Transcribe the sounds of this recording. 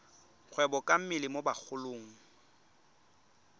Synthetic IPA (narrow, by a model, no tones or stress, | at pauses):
k͡xʰwɛbɔkʼam̩mɪlɪmobak͡xʰʊloːŋ̩